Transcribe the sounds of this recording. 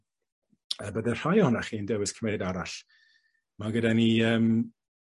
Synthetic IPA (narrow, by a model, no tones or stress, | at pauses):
əbədɛr̥ajɔhɔnaχiːndɛwɪskʰrmejdaɾaɬ | maɡədaniəːm